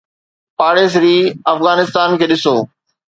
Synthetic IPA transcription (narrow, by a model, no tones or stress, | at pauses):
paːɽeːs̬ɾiːɐfɣaːnɪst̪aːnkʰeːɗɪsoː